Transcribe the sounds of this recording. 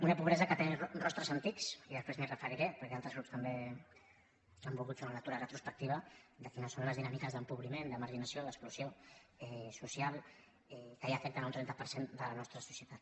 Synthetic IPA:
unəpuβɾɛzəkət̪enərɔst̪ɾəzənt̪iksiðəspɾezmirəfəɾiɾepəɾkɛalˠt̪ɾəzɾupst̪əmbe | sambulˠɣut̪sunənət̪uɾərət̪ɾuspək̚t̪iβəd̪əfinasoləzðinamikəzðəmpuβɾimend̪əməɾʒinəsioðəksplusjoɛsusialˠ | ɛkajafɛk̚t̪ənaunt̪ɾɛnt̪əpəɾsend̪ələnɔst̪ɾəsu̥sjət̪at̪

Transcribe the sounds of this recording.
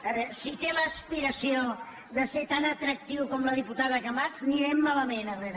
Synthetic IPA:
sit̪eləːspiɾəsio | ðəset̪anət̪ɾək̚t̪iwkɔmləðiput̪aðəkəmaɾzniɾemːaləmenəreɾə

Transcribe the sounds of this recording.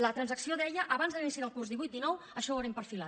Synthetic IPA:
lət̪ɾənzəksioðɛʎəʔəβanzðəinisiðəlˠkurzðiβujt̪d̪inɔw | əʃɔəɾɛmpəɾfila

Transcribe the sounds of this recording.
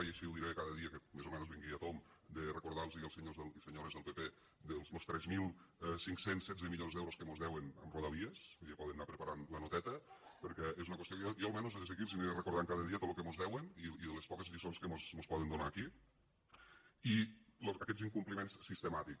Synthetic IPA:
ajeʃilˠd̪iɾeekaðəðiəkəmezomɛnozβiŋɡiat̪omd̪ərəkuɾðalˠzðiəlˠseɲozðəlˠseɲoɾezðəlˠpepe | d̪əlˠslost̪ɾɛzmilˠɛsiŋksensɛd͡zəmiʎonzðɛwɾoskəmozðɛwenə̰mroðaβiesepɔðənːapɾəpaɾanlənot̪ɛt̪əpəɾkɛezunəkwesiokjjoəlmɛnozðəðezekilsinðərəkuɾðaŋkaðəðiət̪ot̪lokemozðɛweniiðəlespɔkəzðisonskəmosmospɔðend̪unaːki | iloəkɛd͡ziŋkumplimẽnssːist̪əmat̪ik

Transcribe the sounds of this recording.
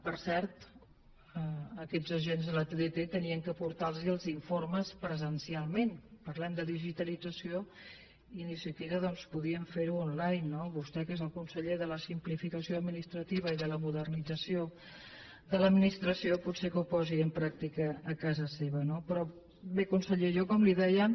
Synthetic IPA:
pəɾsɛɾt̪ | əəkɛzəʒenzðələt̪eðet̪et̪əniəŋkəpuɾt̪alˠziəlˠziɱforməspɾəzənsialˠmenpəɾlɛmd̪əðiʒit̪əlid͡zəsio | iːnisiət̪iβ̞əðɔnspuðiəɱfeɾuɔnlajnːoβust̪ɛkezəlˠkunsəʎeðələsimplifikəsioəd̪minist̪ɾət̪iβ̞əiðələmuðərnid͡zəsio | ðələd̪minist̪ɾəsioputsekəupɔziəmpɾak̚t̪ikəːkazəseβənopɾɔ | bekunsəʎeʒokɔmliðɛjə

